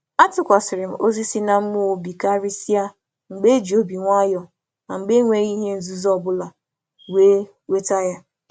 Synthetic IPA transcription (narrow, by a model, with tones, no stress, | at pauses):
a˦tʊ˨kʷa˨sɪ˨ɾɪ˨m̩˨ʔo˦zi˦si˦na˦m̩˦mu˦o˨bi˨ka˦ɾi˦si˦a˦ | ŋ͡m̩˨ɡ͡be˦d͡ʒi˨o˦bi˨ŋʷa˦jɔ˨ | na˨ŋ͡m̩˨ɡ͡be˦ŋʷe˦ɣi˦ɦe˦n̩˦zu˦zɔ˦˨bʊ˦la˨ | we˦ | we˦ta˦ja˦